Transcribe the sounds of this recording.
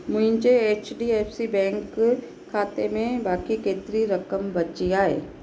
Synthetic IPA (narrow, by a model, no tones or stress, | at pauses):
mʊ̃ɪ̃ɲt͡ʃeeːt͡ʃɖieːfsibɛ̃ːŋkʰː | aːt̪emẽbaːkikeːt̪ɾiɾɐkəmbɐt͡ʃiaːḛː